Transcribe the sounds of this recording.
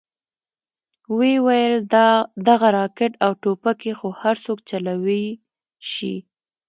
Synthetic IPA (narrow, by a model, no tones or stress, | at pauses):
wewajəld̪aɣaɾɑkɪʈawʈopakexohaɾsokt͡ʃalawə | ʃḭ